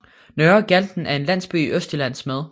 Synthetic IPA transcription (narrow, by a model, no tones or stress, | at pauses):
nøɐɡ̥æld̥n̩æɐe̝nlæn̰sb̥y̰iʔøsd̥ilæn̰smeð̞ˠ